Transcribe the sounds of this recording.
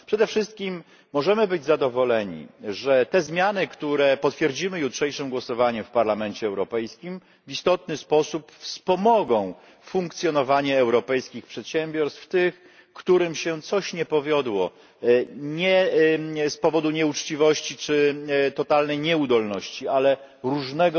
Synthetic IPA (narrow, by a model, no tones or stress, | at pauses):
pʂɛd̪ɛfʂɘst̪̚kʲimː | ɔʐɛmɘbɘd͡ʑzad̪ɔvɔlɛɲḭʐɛt̪ɛzmʲjanɘkt̪uɾɛpɔt̪fʲjɛɾd͡ʑimɘjutʂɛjʂɘmɡwɔsɔvaɲɛfpaɾlamɛnt͡ɕɛːwɾɔpɛjskʲim | vist̪ɔt̪nɘspɔsupfspɔmɔɡɔ̃w̃ | fuŋk̚t̪sʲjɔnɔvaɲɛːwɾɔpɛjskʲixpʂɛt̪ɕɛmbʲjɔɾst̪ft̪ɘx | kt̪uɾɘmɕɛt̪sɔɕɲɛpɔvʲjɔd̪wɔ | ɲɛ | spɔvɔd̪uɲɛut͡ʂt͡ɕivɔɕt͡ɕit͡ʂɘt̪ɔt̪alnɛjɲɛud̪ɔlnɔɕt͡ɕiʔalɛ | ɾuʐnɛɡɔ